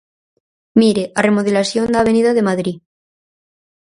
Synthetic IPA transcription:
miɾeʔare̞moð̞elasjond̪aːβ̞e̞niðaðe̞maðɾi

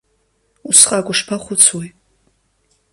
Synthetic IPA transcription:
usχʼaːɡʷʼʊʂpʰaχʷʊt͡sʰwi

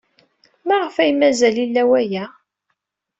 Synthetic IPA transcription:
mæʁəfæjmæzælilːæwæjæ

